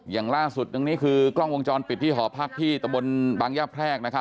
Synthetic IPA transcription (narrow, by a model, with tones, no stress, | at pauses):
jaː˨˩ŋlaː˥˩su˨˩t̪̚da˧ŋniː˦˥kʰɯː˧klɔ˥˩ŋwo˧ŋt͡ɕɔː˧npi˨˩t̪ʰːiː˥˩ɦɔː˩˦pʰaː˥˩k̚t̪ʰiː˥˩t̪a˧mbo˧nbaː˧ŋjaː˥˩pʰɾɛː˥˩k̚na˦˥kʰa˦˥